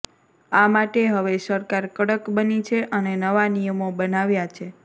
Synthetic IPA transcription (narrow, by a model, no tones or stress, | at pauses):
amaʈeɦəʋesəɾkaɾkəɽəkbənit͡ʃʰeʔənenəʋanijəmobənaʋjat͡ʃʰe